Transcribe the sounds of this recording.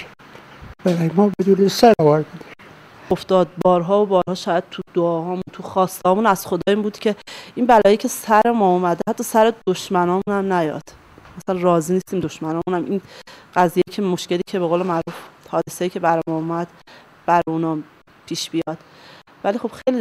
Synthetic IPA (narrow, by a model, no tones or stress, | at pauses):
bæɾɒːjmɒːbed̪unesæɾɒvæɾbud̪i | oft̪ɒːd̪̚bɒːɾɦɒːobɒːɾhɒːʃɒːjæd̪̚t̪ʰud̪̥oɒːhɒːmunt̪ʰuxɒːst̪ehɒːmuːnæz̥xo̞d̪ɒːiːmbuːd̪̥cʰe̞inbælɒːjecʰesæɾemɒːumæd̪eæt̪ʰːɒːsæɾed̪̥oʃmænɒːmuːnæmnæjɒ̰d̪̥ | mæsælænrɒːziːniːst̪iːmd̪o̞ʃmænɒːmunæminɢæzijejcʰemo̞ʃce̞liːcʰe̞beɣoːlemæɾuːfhɒːd̪eseiːcʰe̞bæɾemɒːomæd̪̥ | b̥æɾeunɒː | pʰiːʃbijɒːd̪̥vælixo̞b̥xejli